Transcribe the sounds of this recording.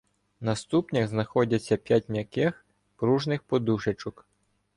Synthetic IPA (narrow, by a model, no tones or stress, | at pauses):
nɐst̪upnʲɐɣznɐxɔdʲɐt͡sʲːɐpʲjatʲnʲjɐkɛx | pɾuʒnɪxpɔd̪uʃet͡ʃɔk